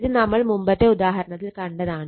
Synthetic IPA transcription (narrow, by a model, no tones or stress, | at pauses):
ðɨnɐmːɐɭmumbɐt̪ːe̞ud̪aːɦɐɾɐɳɐt̪ːilkɐɳɖɐðaːɳɨ